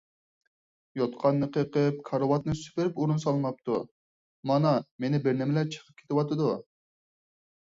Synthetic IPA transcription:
jɑt̪qʰɑnːɨqʰəqəp̚kʰɑɾəwɑt̪̚nɨsy̥pɪɾɪpuɾunsɑlˠɨmɑp̚t̪ʰṵ | mɑnɑmenɪbɪɾnɪmɪlæt͡ʃʰə̥qʰə̥p̚kʲʰe̥t̪ɪwɑt̪ɨd̪u

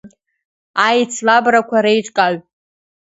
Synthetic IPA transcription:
ajt͡sʰlabrakʷʰaɾejʈ͡ʂʷʼkʼaɥ

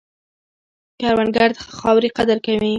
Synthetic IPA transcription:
kaɾwanɡaɾd̪xɑwɾiqad̪əɾkawi

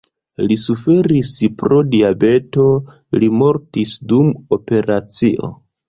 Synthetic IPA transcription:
lisufe̞ɾispɾo̞diabe̞to̞ | limo̞ɾtisdumo̞pe̞ɾat͡siʔo̞̰

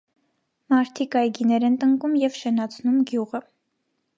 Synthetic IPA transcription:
mɑɾt̪ʰikɑjɡinɛɾɛnt̪əŋkumjɛvʃɛnɑt͡sʰnumɡjuʁə

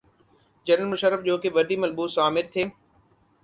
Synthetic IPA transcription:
d͡ʑɐnəlmʊʃəɾːɪfd͡ʑoːkeʋɐɖʱimɐlɓuːsaːmɪɾt̪ʰeː

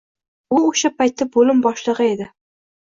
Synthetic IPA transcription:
ʊoʃapajt̪ːabolɪmbɒʃlˠɨʁɨe̞d̪ɪ

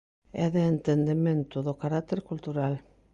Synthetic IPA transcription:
ɛ̰ðeːnt̪end̪emẽnt̪ʊðokaɾat̪eɾkult̪uɾal

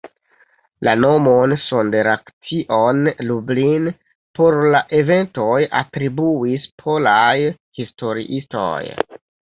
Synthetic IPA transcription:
lano̞monsondeɾaktiʔonlublin | po̞ɾlaʔe̞ve̞ntoja̰tɾibuispʰo̞lajhisto̞ɾḭʔisto̰j

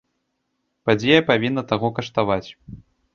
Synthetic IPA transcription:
pad͡zʲɛjɐpavʲinːɐt̪aɣɔkɐʂt̪avat͡sʲ

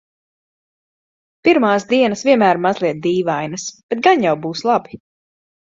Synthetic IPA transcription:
piɾmaːsd̪iɛnɐsvʲiɛmæːɾmazlˠiɛt̪̚d̪iːvajnɐsb̥ɛt̪̚ɡanjawbuːslˠabi̥

